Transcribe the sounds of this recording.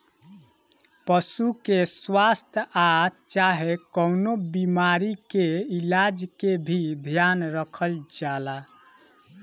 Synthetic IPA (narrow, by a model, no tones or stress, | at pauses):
pəsukeswast̪ʰat͡ʃaɦekəʊnobimaɾikeilad͡ʒkebʱid̪ʱjanɾəkʰəld͡ʒala